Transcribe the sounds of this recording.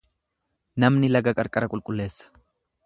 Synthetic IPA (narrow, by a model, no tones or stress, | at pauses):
nɐmnɪlɐɡɐkʼɐɾkʼɐɾɐkʼʊlkʼʊlːe̞ːsːɐ̥